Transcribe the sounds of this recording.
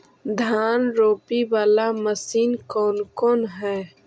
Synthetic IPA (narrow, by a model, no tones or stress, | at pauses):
d̪ʱaːnɾoːpiwaːlaməsiːnkɔːlkoːnɦɛ̃ː